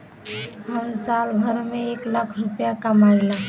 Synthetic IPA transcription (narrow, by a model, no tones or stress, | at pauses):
ɦənsalbʱəɾmeeklakʰɾupjakamajla